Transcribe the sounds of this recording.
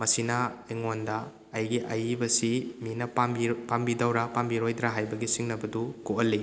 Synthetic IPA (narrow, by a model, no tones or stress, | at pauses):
mɐsinɐɐjŋondɐː | jɡiʔɐjbɐsiminɐipambidawɾɐpambiɾojdɾaɦajbɐɡisiŋnɐbɐdukoʔɐlːi